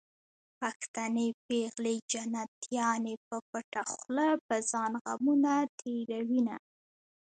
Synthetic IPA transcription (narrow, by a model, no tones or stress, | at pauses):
paxt̪anepeɣled͡ʒanat̪jɑnepəpəʈaxləpəzɑnɣa̰munat̪ʰeɾawina̰